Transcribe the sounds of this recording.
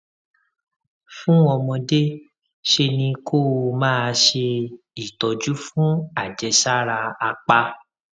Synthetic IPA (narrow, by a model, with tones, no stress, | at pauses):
fũ˦ɔ˧mɔ̃˧de˦ | ʃe˧nĩ˧kʰo˦˨˧mãː˦˧ʃe˧ | i˨tɔ˨d͡ʒu˦fũ˦a˦˨d͡ʒɛ˧ʃa˦ɾa˧a˧k͡pa˧